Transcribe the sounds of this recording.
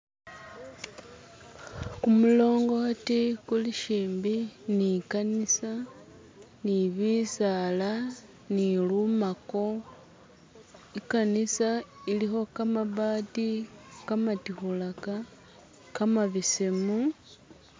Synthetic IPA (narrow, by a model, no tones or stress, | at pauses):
kumulo̞ːŋɡo̞atikuliʃiːmbinikanisa | niβisala | nilumako̞ | ikanisailixo̞kamaβaːtikamatixulaka | kamaβisemu